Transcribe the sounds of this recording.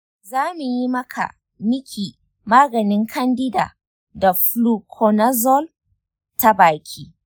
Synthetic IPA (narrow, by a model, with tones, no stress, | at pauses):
zaː˦mu˨ji˦mɐ˦kʰa̰˨ | nɪ˦kʲʰiː˨ | maː˦ɡɐ˨nɪ˦ŋkʰɐ˦ndɪ˦da̰ː˨ | da˨ɸluː˦kʰɔ˨na˦zɔ˦l | ta˦baː˨kʲʰiː˦